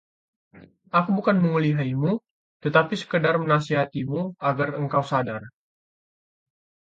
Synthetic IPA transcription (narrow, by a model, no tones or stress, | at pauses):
akubukanməŋuliɦaimu | t̪ət̪apisə̥kədarmənasiɦat̪imuaɡarəŋkawsadar